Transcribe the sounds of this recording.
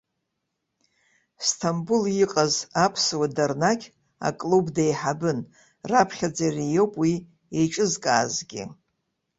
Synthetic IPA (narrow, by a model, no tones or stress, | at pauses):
stʰambuliqʼazapʰswadarnakʲʰʼ | a̰kʼlubdajħabɨn | rapʰχʲad͡zarijo̞wpʼwi | eʈ͡ʂʼɨzkʼaːzɡʲɪ̰